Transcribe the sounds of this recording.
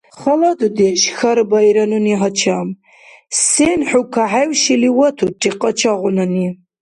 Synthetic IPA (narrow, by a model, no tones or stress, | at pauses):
χɐlɐd̪ud̪eʃxɐɾbɐjɾɐnuniɦɐt͡ʃʰam | senħukʰaħawʃiliwɐt̪ʰuʈ͡ʂʼiqʼɐt͡ʃʰaʁʷʊnɐni